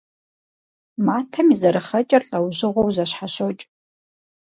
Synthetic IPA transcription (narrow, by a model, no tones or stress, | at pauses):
maːtʰɐmizɐɾɨχɐt͡ʃʼɐrɬʼɐwʑɨʁʷowzɐɕħaɕot͡ʃʼ